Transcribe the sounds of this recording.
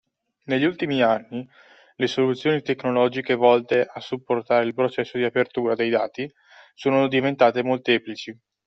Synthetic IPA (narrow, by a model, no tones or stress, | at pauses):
neʎːult̪imianːi | lesolut̪sːjoːnit̪ekːnolɔd͡ʒikevɔlt̪eʔasːupːort̪aːɾeilpɾot͡ʃɛsːod̪iapert̪uːɾad̪ejd̪a̰ːt̪i | soːnod̪ivent̪aːt̪emolt̪eːplit͡ʃi